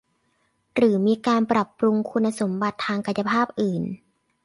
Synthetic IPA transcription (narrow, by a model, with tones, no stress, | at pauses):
ɾɯː˩˦miː˧kaː˧npɾa˨˩pɾu˧ŋkʰu˧nːa˧so˩˦mba˨˩t̪ʰːaː˧ŋka˨˩nja˧pʰaː˥˩p̚ʔɯː˨˩n